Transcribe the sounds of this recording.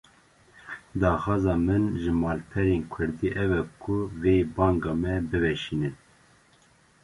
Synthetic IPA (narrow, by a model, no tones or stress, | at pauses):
d̪ɑːxɑːzɑːmɨnʒɨmɑːlpʰɛɾeːnkʰʊɾd̪iːʔɛvɛkʰʊveːbɑːŋɡɑːmɛbɨvɛʃiːnɨn